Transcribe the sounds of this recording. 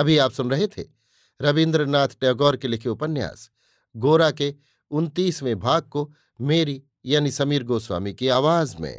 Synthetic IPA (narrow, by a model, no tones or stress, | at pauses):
ɐbʱiaːpsʊnɾɐɦet̪ʰḛ | ɾɐʋɪ̃nd̪ɾənaːt̪ʰʈeɡɔːɾkelɪkʰeʊpənːja̰ːs | ɡoːɾake | ʊnt̪iːsmẽbʱaːɡ̚ko | meːɾi | jaːnisɐmiːɾɡoːswa̰ːmikeaːʋaːzmḛ̃ː